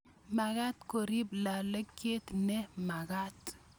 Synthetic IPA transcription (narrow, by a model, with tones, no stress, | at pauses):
ma˨ɡa˦t̪ko˨ɾi˦bla˨lə˦kːe˦t̪nɛ˦ma˨ɡa˦t̪